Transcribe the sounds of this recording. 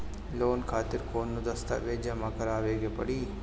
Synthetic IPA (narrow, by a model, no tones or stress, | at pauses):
loːnkʰaːt̪ɪɾkoːnːũd̪ɐst̪a̰ʋeːd͡ʒamãkɐɾaːʋeːɡepɐ̰ɽiː